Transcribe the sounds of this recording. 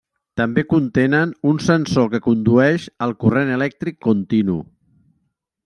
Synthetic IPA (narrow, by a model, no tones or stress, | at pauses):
t̪əmbekunt̪enənunsənsokəkund̪uɛʃəlˠkurenəlɛk̚t̪ɾikːunt̪inṵ